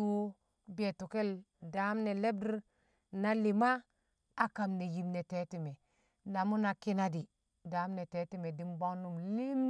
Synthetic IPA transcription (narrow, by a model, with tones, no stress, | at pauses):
o˦ | be˨tu˨ke˦l | da˨˦mne˨le˦b̚di˦ɾ | na˦li˨ma˦ | a˦ka˨mne˨ji˨mne˨te˨˦ti˨me˨ | na˨mu˦na˨ki˦na˦di˨ | da˨˦mne˨te˨˦ti˦me˨di˦mba˦ŋnu˦mli˦m